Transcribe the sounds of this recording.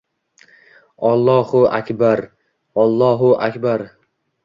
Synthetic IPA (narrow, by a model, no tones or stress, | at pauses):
ɒlˠːɒhʊʔakʲbaɾ | ɒlˠːɒɦʊʔakʲbaɾ